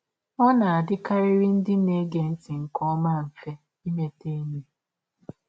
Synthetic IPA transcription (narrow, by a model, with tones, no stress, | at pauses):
ɔ˦na˨a˨dɪ˦ka˦ɾɪ˦ɾi˦n̩˦dɪ˦ne˦ɡe˨n̩˦ti˨ŋ̩˨kɔ˦ma˦ɱ̩˨fe˦ | i˦me˨te˦ɲe˦